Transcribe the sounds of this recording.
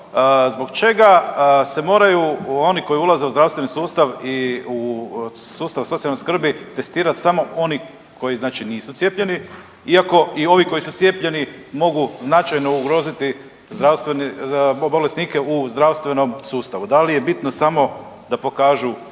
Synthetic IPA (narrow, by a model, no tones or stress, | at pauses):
zbo̞ɡt͡ʃe̞ɡase̞mo̞ːɾajuo̞niko̞jiulˠaze̞uzd̪ɾaʋst̪ʋenisuːst̪aʋiu | suːst̪aʋsot̪ialnoskr̩bit̪e̞st̪iːɾat̪samo̞o̞ni | kʰo̞jiznaːt͡ʃiniːsut̪sjepʎe̞ni | iako̞io̞ʋiko̞jisut̪sjepʎe̞nimo̞ɡuznat͡ʃajno̞uɡɾo̞ːzit̪i | zd̪ɾast̪ʋeniobole̞sniːke̞uzd̪ɾaʋst̪ʋe̞no̞msuːst̪aʋud̪alije̞bit̪nosamo̞ | d̪apo̞kaːʒu